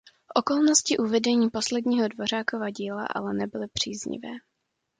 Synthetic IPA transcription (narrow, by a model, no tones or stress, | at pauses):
fʔo̞ko̞lno̞scɪʔuvɛdɛɲiːpo̞slɛdɲiːɦo̞dvo̞ɾ̝aːkovaɟiːla̰ʔa̰lɛnɛbɪlɪpr̝̥iːzɲɪ̰vɛ̰ː